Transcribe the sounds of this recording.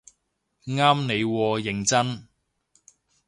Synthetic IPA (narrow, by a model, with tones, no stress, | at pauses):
ŋaː˥mne˨˧jwɔː˧jɪ˨˩ŋt͡sɐ˥n